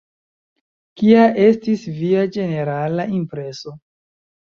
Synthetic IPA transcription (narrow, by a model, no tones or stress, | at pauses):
kiaʔe̞stisviad͡ʒe̞ne̞ɾalaimpɾe̞so̞